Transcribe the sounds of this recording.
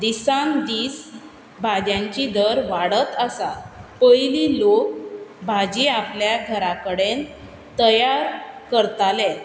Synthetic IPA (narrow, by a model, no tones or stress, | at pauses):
d̪isand̪iːs | bʱad͡ʑjãɲt͡ɕid̪əɾʋaɽət̪əsapəjliːlok̚bʱad͡ʑiapljaɡʱəɾakəɽen | t̪əjaɾkəɾt̪ale